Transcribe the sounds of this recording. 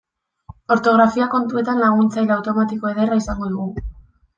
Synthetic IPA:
o̞ɾt̪o̞ɣ̞ɾafiako̞nt̪ue̞t̪anlaɣ̞unt͡sajlawt̪o̞mat̪iko̞eð̞eraisaŋɡo̞ðuɣu

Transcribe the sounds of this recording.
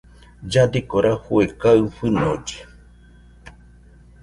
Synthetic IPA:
d͡ʒad̪ikoɾʔahuekaɨɸɨnod͡ʒe̥

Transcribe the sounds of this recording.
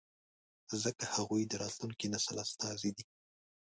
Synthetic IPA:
zəkahaɣujd̪əɾɑt̪luŋkinasəlast̪ɑzid̪i

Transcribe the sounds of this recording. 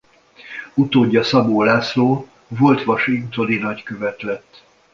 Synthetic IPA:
ut̪oːɟːɒsɒboːlaːsloː | vo̞lt̪ʋɒʃiŋkt̪od̪inɒckøvɛt̪lɛt̪ː

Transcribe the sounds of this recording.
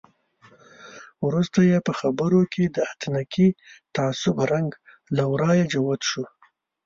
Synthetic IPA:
wɾust̪ajepəxabəɾokʰed̪əat̪nakit̪aasʊbɾaŋɡ | lawɾɑjed͡ʒawat̪ʃu

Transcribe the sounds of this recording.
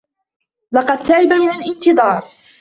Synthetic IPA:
lɑqɑd̪̚t̪aʕɪbamɪnalʔɪnt̪ɨðˤɑːɾˤ

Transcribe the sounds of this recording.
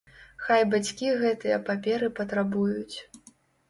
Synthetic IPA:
xajbat͡sʲkʲiɣɛt̪ɨjɐpapʲɛɾɨpɐt̪ɾabujut͡sʲ

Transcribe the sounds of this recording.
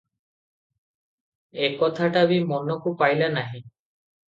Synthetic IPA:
ekɔt̪ʰaʈabimɔnɔkupajlanaɦĩ

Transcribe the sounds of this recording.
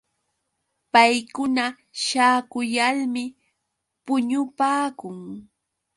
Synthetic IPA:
pajkʊna | ʃaːkʊjalmɪ | pʊɲʊpaːkʊŋ

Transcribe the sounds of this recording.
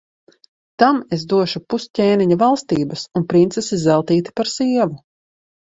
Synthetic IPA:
t̪amez̬d̪uɔʃupuscʲeːniɲavalˠst̪iːbɐsunpɾint̪sesizɛlˠt̪iːt̪i̥paɾsiɛvu

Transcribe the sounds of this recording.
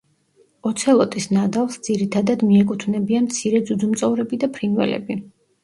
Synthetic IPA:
ɔt̪sʰɛlˠɔt̪ʼisnad̪alˠsd̪z̥iɾit̪ʰad̪ad̪miɛkʼut̪ʰvnɛbianmt̪sʰiɾɛd̪zud̪zumt̪sʼɔvɾɛbid̪apʰɾinvɛ̰lɛ̰bi

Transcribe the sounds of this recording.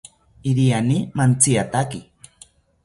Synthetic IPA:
iɾianimant͡siat̪aki

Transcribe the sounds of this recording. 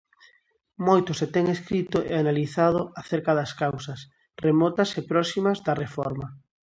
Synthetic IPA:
mojt̪ʊset̪ɛŋeskɾit̪ʊʔḛanaliθaðʊaθeɾkaðɐskawsɐs | remɔt̪ɐsepɾɔsimɐzðɐrefɔɾmɐ

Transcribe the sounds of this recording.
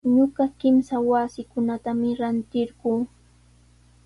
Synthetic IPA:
ɲoɢɑkɪmsawasɪkʊnat̪amɪɾant̪ɪɾɢuː

